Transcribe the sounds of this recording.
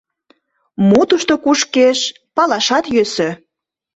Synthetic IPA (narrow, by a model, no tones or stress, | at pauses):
mut̪uʃt̪okuʃkeʃ | pɑlɑʃɑt̪jøsø